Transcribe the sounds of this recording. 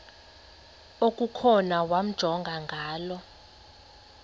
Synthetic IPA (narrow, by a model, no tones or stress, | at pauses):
okʼukʰɔnawam̩d̥ʒ̥ʱɔŋɡʱaŋɡʱaːlɔ